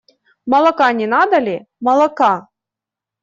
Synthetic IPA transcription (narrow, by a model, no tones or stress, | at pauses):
mɐlˠɐkanʲɛnad̪ɐlʲi | mɐlˠɐka